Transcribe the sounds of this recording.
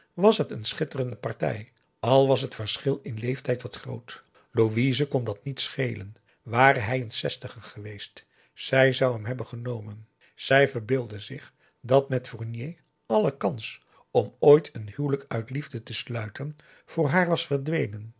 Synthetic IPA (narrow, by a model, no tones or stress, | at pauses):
ʋɑsɦətənsχɪtərəndəpɑrtɛ̰j | ɑlˠʋɑsɦətfəɹsχɪlˠɪnlejftɛjtʋɑtχro̰wt | loʋizəkɔndɑtnitsχejlən | ʋaːrəɦɛjənsɛstəχəχəʋejst | sɛjzɑwɦɛmɦɛbənχənowmən | z̥ɛjvəɹbɪːlˠdəzɪχ | dɑtmɛtfuɹnje | ɑləkɑns | ɔmoːjtʰənhywləkœɥtlivdətəslœɥtʰən | v̥ʊːɹɦaːɹʋɑsfəɹdʋejnən